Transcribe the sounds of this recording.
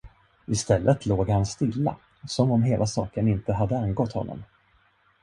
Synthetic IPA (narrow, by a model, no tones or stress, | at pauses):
ɪst̪ɛlːʔət̪ʰloːɡhanst̪ɪlːa̰ | sɔmɔmɦeːlʔasɑ̰ːkənɪnt̪əɦad̪ːəanɡɔt̪hɔ̰nːɔ̰m